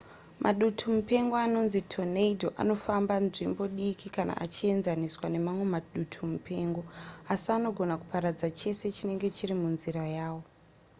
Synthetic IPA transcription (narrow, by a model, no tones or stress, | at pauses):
mʔa̰ɗutʰumupe̞ŋɡo̞ano̞nzitʰo̞neidʱo̞ʔa̰no̞fambanʐimbo̞ɗikʰikanʔa̰ʔat͡ʃie̞nzaniswane̞mamwe̞maɗutʰumupʰe̞ːŋɡo̞asiano̞ɡʱo̞naku̥paɾad͡zat͡ʃe̞se̞t͡ʃine̞ŋɡe̞t͡ʃirimunziɾajaːwo